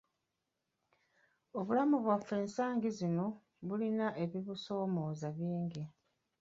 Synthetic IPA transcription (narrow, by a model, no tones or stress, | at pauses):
o̞βulamuβwafːe̞ːnsaːŋɡizino̞ | βulinaʔe̞βiβuso̞ːmo̞ːzaβiːŋɡi